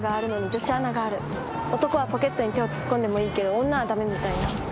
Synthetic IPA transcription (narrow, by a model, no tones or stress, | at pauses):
ɡaːɾɯ̟no̞ɲid͡ʑo̞ɕianaɡaːɾɯ̟ | o̞t̪o̞ko̞β̞apo̞ke̞t̪ːo̞ɲ̟it̪e̞o̞t͡sɨ̥kːõ̞nd̪e̞mo̞iːke̞d̪o̞õnːaβad̪ame̞mʲit̪aina